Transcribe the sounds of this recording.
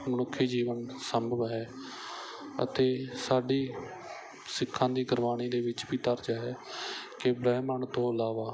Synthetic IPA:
mənʊkʰːiːd͡ʒiːʋənsəmbʱəʋɦɛː | ə̰t̪eːsaːɖiː | sɪkʰːãːd̪iːɡəɾʋaːñiːd̪eːʋɪt͡ʃbiːt̪əɾd͡ʒaːɦɛːkɪbɾɛːməɳt̪õːəlaːʋaː

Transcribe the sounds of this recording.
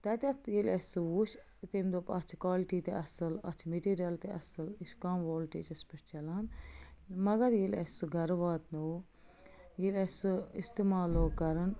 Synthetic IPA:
t̪ɐt̪ʲɐt̪ʰjilʲesuʋuʃʰ | t̪emd̪oːpɐt͡ʃʰkaːlʈit̪eʔɐsɨlɐ̰t͡ʃʰmeʈiːɾijɐlt̪eʔɐsɨliʃkɐmʋoːlʈḛːt͡ʃɐspeʈʰt͡ʃɐlaːn | mɐɡɐɾjilesuɡɐɾʋaːt̪no | jilesuist̪imaːloːkɐɾɐn

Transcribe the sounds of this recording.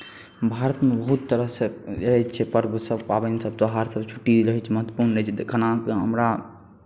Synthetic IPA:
bʱaɾət̪mebəɦut̪ːəɾəɦseəɦɛt͡ʃʰɛpəɾksəbpabənsəb̚t̪oɦaɾsəbt͡ʃʰu̥ʈːiɾəɦɛt͡ʃʰɛməɦət̪ːwəpuɾnːət͡ʃʰɛkʰənakɦəmɾa

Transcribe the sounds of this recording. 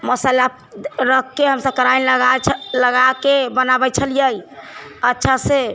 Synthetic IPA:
məsəla | ɾəkːeɦəmsəb̚kəɾanɡaləɡakebənabɛt͡ʃʰəlijəjətːʃʰase

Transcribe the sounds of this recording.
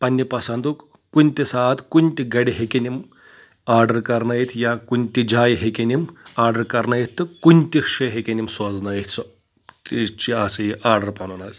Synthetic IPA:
pɐnʲːipɐsɐnd̪uk | kunʲt̪ʲisaːt̪kunʲt̪ʲiɡɐɽiɦekenim | aːɾɖɐɾkɐɾnɐjit̪ʰjaːkunʲt̪ʲid͡ʒaːjɦekenimaːɾɖɐɾkɐɾnajit̪ʰːɨkunʲt̪ikʂɐɦekʲenimsɐd͡znɐjt̪ʰʲs | it͡ʃiasɨiʔaːɾɖɐɾpɐnɐnɐz

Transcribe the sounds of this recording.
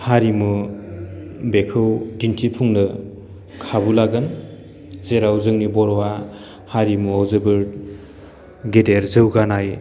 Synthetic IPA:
haɾimu | bekʰɯwdintʰipʰuŋnɯ | kʰabulaɡɯn | zeɾawzɯŋnibɔɾwa | haɾimuawzɯbɯɾ | ɡedeɾzɯwɡanaj

